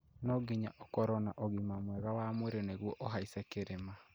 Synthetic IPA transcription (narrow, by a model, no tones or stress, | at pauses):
nɔɡiɲa̰ʔɔkɔɾɔnaʔoɣimamwɛɣawamweɾeneɣwɔʔɔɦaisɛkeɾema